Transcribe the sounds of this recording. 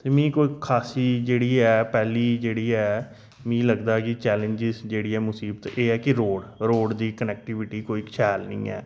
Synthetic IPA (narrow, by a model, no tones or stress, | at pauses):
t̪eːmĩːkoːiːkʰaːsiːd͡ʒeːɽiːɛːpɛːliːd͡ʒeːɽiːɛː | mĩːləɡd̪aːkɪt͡ʃɛːlə̃ɲd͡ʒɪzd͡ʒeːɽiːɛːmʊsiːbət̪eːɛːkɪɾoːɽɾoːɽd̪iːkənɛːk̚ʈɪːʋɪʈiːkoːiːkʃʰɛːlnḭ̃ːɛ̰ː